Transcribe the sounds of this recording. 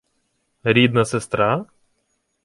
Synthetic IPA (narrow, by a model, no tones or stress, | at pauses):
ɾʲid̪nɐsest̪ɾɑ